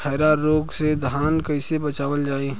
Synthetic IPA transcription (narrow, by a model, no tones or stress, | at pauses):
ɛːɾaɾoːɡsed̪ʱaːnkɐɪsebɐt͡ʃaːʋəld͡ʒaːe